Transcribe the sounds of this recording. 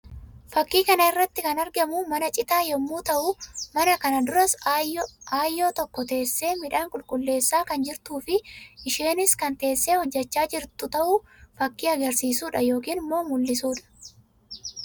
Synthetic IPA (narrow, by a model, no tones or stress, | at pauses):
fɐkːiːkɐnɐɪrːɐt̪ːɪkɐnɐɾɡɐmumɐnɐt͡ʃʼɪt̪aːjɛmːuːt̪ɐʔuːmɐnɐkɐnɐd̪ʊɾɐs | aːjːo̞ːt̪ɔkːɔt̪e̞ːsːe̞ːmɪᶑaːŋkʼʊlkʼʊlːe̞ːsːaːkɐnd͡ʒɪɾt̪uːfɪʔɪʃe̞ːnɪskɐnt̪e̞ːsːeːhɔd͡ʒːɐt͡ʃːaːd͡ʒɪɾt̪ʊt̪ɐʔuːfɐkːiːɐɡɐɾsiːsuːᶑɐjo̞ːkiːnmːoːmʊlːɪs̬uːᶑɐ̥